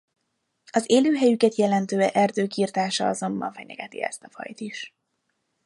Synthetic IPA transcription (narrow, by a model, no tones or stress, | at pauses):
ɒzeːløːɦɛjykɛt̪jɛlɛnt̪øːɛʔɛrd̪øːkiːrt̪aːʃɒɒzo̞mbɒ̰ɱfɛɲɛ̰ɡɛt̪ḭɛ̰st̪ɒfɒ̰jt̪iʃ